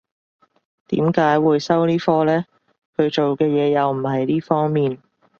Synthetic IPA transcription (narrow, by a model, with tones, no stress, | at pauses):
t̪ḭː˨˥mkaː˨˥jwuː˨˧jsɐ˥wniː˥fɔː˥lɛː˥ | kʰɵ˨˧ɥt͡ʃo˨wkɛː˧jɛː˨˧jɐ˨˧wm̩˨˩ɦɐ˨jliː˥fɔː˥ŋmiː˨n